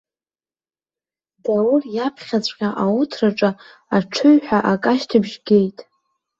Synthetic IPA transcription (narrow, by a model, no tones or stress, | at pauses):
d̥awʊrjapʰχʲat͡sʷʼqʲaʔawutʰraʈ͡ʂʼa | aʈ͡ʂʰɨɥħʷᶣaʔakʼaʃtʰɨbʒɡʲe̞jtʼ